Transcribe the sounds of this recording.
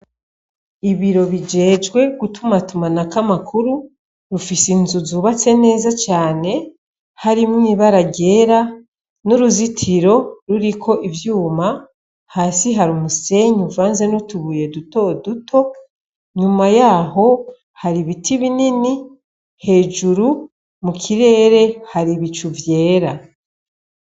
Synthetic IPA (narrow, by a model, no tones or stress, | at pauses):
iβiɾo̞βid͡ʒe̞ːd͡ʒɡwe̞ɡutʰumatumanakamakʰuɾu | ɾufisinzuzuβat͡se̞ne̞ːzat͡ʃaːne̞ | haɾimŋiːβaɾaɟe̞ːɾa | nuɾuzitʰiɾo̞ɾuɾikʰo̞ʔivjuːma | haːsiɦaɾumuse̞ɲuvaːnze̞nutuβuːje̞duto̞dutʰo̞ | ɲumajaːɦo̞ | haɾiβitʰiβinini | he̞ːʒuɾu | mukʰiɾe̞ːɾe̞haɾiβit͡ʃuvje̞ːɾa